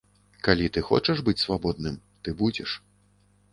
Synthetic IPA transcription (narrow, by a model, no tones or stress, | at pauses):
kalʲit̪ɨxɔ̰t͡ʂɛʐbɨt͡sʲsvabɔd̪̚nɨm | t̪ɨbud͡zʲɛ̰ʂ